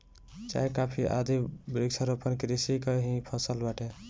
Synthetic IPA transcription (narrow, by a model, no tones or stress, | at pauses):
t͡ʃa̰jkapʰiʔa̰d̪ibɾiɡsəɾopənkeɾisikəɦĩpʰəsəlbaʈe